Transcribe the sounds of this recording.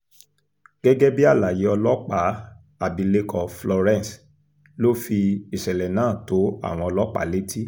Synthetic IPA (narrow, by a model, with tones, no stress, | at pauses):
ɡ̥ɛ˦ɡɛ˦bi˦a˦˨la˨ji˨˦ɔ˧lɔ˦k͡pa˨˦ | a˨bi˨˧le˦kʰɔ˨flɔ˧ɾɛ̃˦˨s | lo˦fi˧i˨ʃɛ˨lɛ˨nãː˦˨to˨˦a̰˦˨w̃ɔ̃˧ɔ˧lɔ˦k͡pa̰˨˦le˦tʰi˦